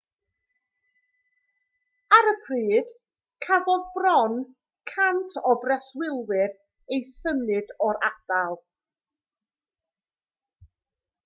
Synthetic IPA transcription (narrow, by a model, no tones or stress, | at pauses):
aɾəpʰriːd̥ | kʰavɔðbrɔn | kʰantʰɔbrɛswɪlˠwɪɾ | ejsəmɨdɔɾad̥alˠ